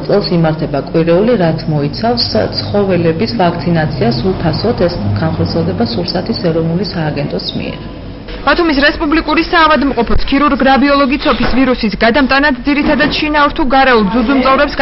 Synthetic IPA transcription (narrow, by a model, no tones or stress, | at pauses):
t̪sʼɛlˠsimaɾt̪ʰɛbakʼwiɾɛuliɾat̪sʰmɔit̪sʰafst̪sʰχɔvɛlɛbisvak̚ʰt̪sʰinat̪sʰiasupʰasɔt̪ʰɛsɡ̥anχɔɾt̪sʰiɛlˠd̪ɛbasuɾsat̪ʰisɛɾɔvnulisaːɡɛnt̪ʼɔsmḭɛ̰ɾ | b̥at̪ʰumisɾɛspʼublikʼuɾisaːvad̪mqʼɔpʰɔskʰiɾuɾɡɾabiɔlˠɔɡit̪sʰɔpʰisviɾusisɡad̪amt̪ʼanad̪d̪ziɾit̪ʰad̪ad̪̥ʃinauɾt̪ʰuɡaɾɛulˠd̪zud̪zumt̪sʼavɾɛpsɡ